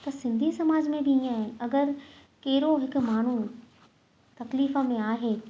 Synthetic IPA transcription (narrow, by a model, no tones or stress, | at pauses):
t̪ɐsɪ̃nd̪ʱisɐmaːd͡ʑmẽbɪĩaːɦɪnɪ̆ɐɡəɾkɐɪɾoɦɪkʊmaːn̤u | t̪ɐkliːfə̆mẽaːɦeː